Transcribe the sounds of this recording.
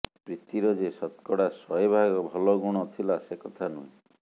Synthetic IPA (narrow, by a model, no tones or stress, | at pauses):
pɾit̪iɾɔd͡ʒesɔt̪kɔɽasɔjebʱaɡɔbʱɔlɔɡuɽ̃ɔt̪ʰilasekɔt̪ʰanṵĩ